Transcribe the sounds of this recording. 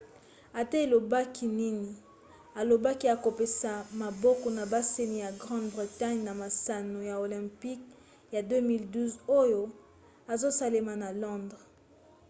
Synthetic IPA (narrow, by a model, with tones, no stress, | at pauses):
a˨ta˦e˨lo˨ba˦kʰi˦ni˦ni˨ | a˨lo˨ba˦ki˦a˨ko˨pe˨sa˨ma˨bɔ˦kɔ˨na˨ba˦se˦ni˨ja˨ɡʁɑ̃˦dbʁi˨ta˦ɲna˨ma˨sa˨no˨ja˨o˨lɛ̃˨mpi˦k̚ | ja˨dø˦mi˦ldu˦zo˦jo˦ | a˨zo˦sa˨le˨ma˨na˨lɔ̃˦ndʁ